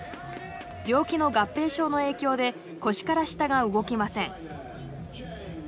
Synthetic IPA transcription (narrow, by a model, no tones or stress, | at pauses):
bʲo̞ːkʲino̞ɡapːe̞ːɕo̞ːno̞e̞ːkʲo̞ːd̪e̞ | ko̞ɕi̥kaɾaɕi̥t̪aɡaɯ̟ɡo̞kʲimasẽ̞ŋ